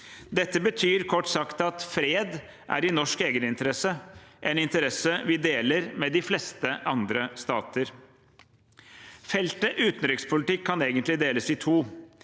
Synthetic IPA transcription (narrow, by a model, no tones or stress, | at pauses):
d̪ɛt̪ːəbət̪ʰyːɾkʰɔʈːsɑkt̪ɑt̪fɾeːd̪ | ʔæ̰ɾɪnɔʂkeːɡənɪnt̪əɾɛsəʔɛnɪnt̪əɾɛsəʋɪd̪eːləɾmɛd̪ɪflɛst̪əʔɑnd̪ɾəst̪ɑːt̪əɾ | fɛlt̪əʔʉːt̪n̩ɾɪkspʰʊlɪt̪ɪkʰːɑneːɡənt̪lɪd̪eːləsɪt̪ʰuː